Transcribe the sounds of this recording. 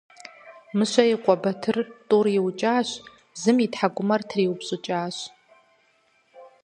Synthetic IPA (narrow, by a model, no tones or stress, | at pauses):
mɨɕʷɐiqʷʼɔbɐtʰɨrtʼuriwt͡ʃʼaːɕʷ | zɨmitħaɡʷʊmɐrtʰriwpɕʼʊt͡ʃʼaːʃ